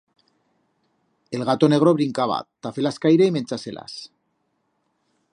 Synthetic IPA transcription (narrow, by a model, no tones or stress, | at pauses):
e̞lɣat̪o̞ne̞ɣ̞ɾo̞βɾiŋkaβa̰t̪ːafe̞laskajɾeime̞nt͡sase̞la̰s